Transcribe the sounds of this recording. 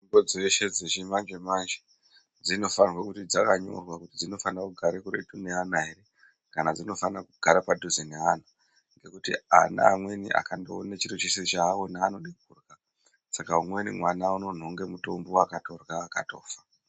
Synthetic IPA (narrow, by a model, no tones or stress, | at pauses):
imbod͡zeʃe̞d͡zet͡ʃimand͡ʒemand͡ʒe | d͡zino̞fanrwakutid͡zakaɲo̞̰rwakutid͡zino̞fanrakuɡʱaɾekuɾetune̞anaɦeɾe̞ | kanad͡zino̞fanrakuɡʱaɾapadʱuzinean̤a | ŋɡe̞kutḭa̰na̰ːmwe̞nḭʔa̰kandoːnet͡ʃiɾit͡ʃisit͡ʃaːwo̞naːnoɗik̚urɡa | sakaumwe̞nimwanauno̞n̤oŋɡe̞muto̞mboakato̞rwaːkato̞ːfḁ